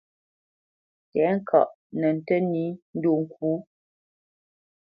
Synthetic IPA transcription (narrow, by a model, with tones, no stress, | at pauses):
tɛ˨˦ŋ̩˦kʰa̰˨ʔ | nə˨n̩˨tə˦ni˨˦n̩˦do˦˨ŋ̩˨kuː˦